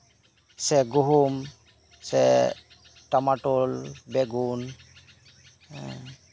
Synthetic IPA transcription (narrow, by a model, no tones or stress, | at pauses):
sɛɡuɦum | sɛ | tamaʈɔlbɛɡun